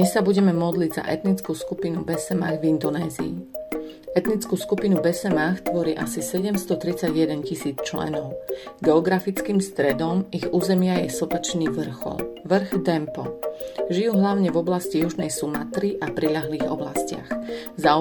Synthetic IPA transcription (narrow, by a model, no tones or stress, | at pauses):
d̪ɲɛsːabuɟɛmɛmɔd̪liɟza̰ʔɛt̪nit͡skuːskupinubɛsɛma̰ːɣvind̪ɔnɛːzḭː | ɛt̪nit͡skuːskupinubɛsɛmaːxt̪ʋɔɾiːʔasisɛɟɛmst̪ɔt̪ɾit͡saɟjɛd̪ɛncisiːt͡st͡ʃlɛ̰nɔʊɡɛɔɡɾafit͡skiːmst̪ɾɛd̪ɔmiɣuːzɛmɪajɛsɔpɛt͡ʃniʋr̩xɔ̰lʋr̩ɣd̪ɛmpɔ̰ʒijuːɦlaʊɲɛvɔblascijuʒnɛjsuma̰t̪ɾiʔapɾiʎaɦliːɣɔ̰bla̰scɪa̰xza